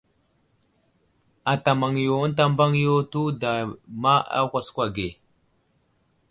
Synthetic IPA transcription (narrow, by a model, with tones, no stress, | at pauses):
a˨ta˨ma˨ŋjo˨˦n˦t̬a˦m˦ba˦ŋ˦jo˦tu˦da˨ma˦a̰˦kʷa˨skʷa˨ɡe˨